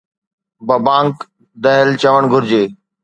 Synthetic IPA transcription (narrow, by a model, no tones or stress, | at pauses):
bɐbãːŋk | d̪ɐɦəlt͡ɕɐʋəɽ̃ɡʱʊɾd͡ʑeː